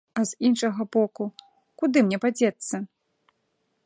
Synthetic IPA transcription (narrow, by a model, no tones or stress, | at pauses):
ɐz̥inʂɐɣɐbɔku | kud̪ɨmnʲɛpad͡zʲɛt̪sːɐ